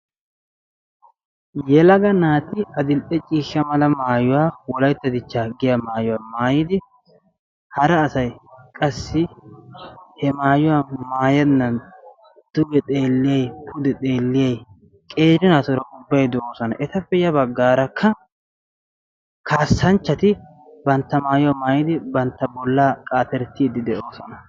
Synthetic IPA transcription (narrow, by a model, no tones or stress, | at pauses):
jɛlɐɡɐnaːt̪ɪɐd̪ɪlpʼːɛt͡ʃʼiːʃːɐmɐlɐmaːjʊwaːwɔlɐjt̪ːɐd̪ɪt͡ʃːaːɡɪjɐmaːjʊwaːmaːjɪd̪ɪ | hɐɾɐːsɐjkʼɐsːɪ | hɛmaːjʊwamaːjɐd̪nɐn | d̪̥ʊɡɛt̪ʼe̞ːlːɪjɐjpʰʊd̪ɛt̪ʼe̞ːlːɪjɐj | kʼe̞ːɾɪnaːt̪ɔɾɐʔʊbːɐjd̪ɛʔoːsɔnɐʔɛt̪ɐpːɛjɐbɐɡːaːɾɐkʰːɐ | kʰaːsːɐnt͡ʃːɐt̪ɪ | bɐnt̪ːɐmaːjʊwɐmaːjɪd̪ɪbɐnt̪ːɐbɔlːaːkʼaːt̪ɛɾt̪ːiːd̪ɪd̪ɛʔoːsɔnɐ